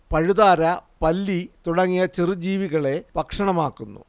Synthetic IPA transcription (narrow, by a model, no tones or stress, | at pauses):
pɐɻuðaːɾɐpɐlːit̪uɽɐŋːijɐt͡ɕirɨd͡ʑiːʋiɣɐɭe̞pɐkʂɐɳɐmaːkːunːṵ